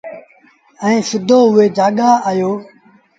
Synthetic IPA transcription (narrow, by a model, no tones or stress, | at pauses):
ɛ̃ːsʊd̪ʱoːɦʊʋeːd͡ʒaːɠaːajoː